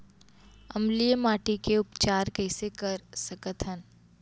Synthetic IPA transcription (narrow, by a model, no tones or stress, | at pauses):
ɐ̰mlijəmaːʈikeʊpt͡ʃaːɾkəɪsekɐɾsɐkət̪ʰən